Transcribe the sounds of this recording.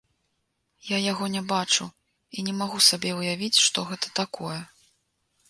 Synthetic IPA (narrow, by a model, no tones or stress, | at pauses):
jajaɣɔnʲɛbat͡ʂu | inʲɛmaɣusabʲɛwjavʲit͡sʲʂt̪ɔɣɛt̪ɐ̥t̪akɔjɛ